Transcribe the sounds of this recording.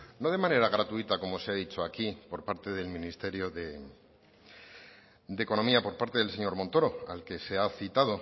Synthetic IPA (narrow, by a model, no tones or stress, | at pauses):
no̞ð̞e̞mãne̞ɾaɣ̞ɾat̪uit̪ako̞mo̞se̞aðit͡ʃo̞akipo̞ɾpaɾt̪e̞ð̞e̞lmĩnist̪e̞ɾjo̞ðe | d̪e̞ko̞no̞miapo̞ɾpaɾt̪e̞ðelse̞ɲo̞ɾmo̞nt̪o̞ɾo̞a̰lke̞se̞aθit̪að̞o̞